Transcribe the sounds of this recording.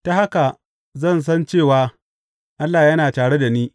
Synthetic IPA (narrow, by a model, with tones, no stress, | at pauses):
ta˦ha˦ka˨ | zɐ˦˨ns̬ɐ˦nt͡ʃeː˦˨waː˨ | ʔa˦lːaː˨jɐ˦naː˨taː˨ɽe˦da˨niː˦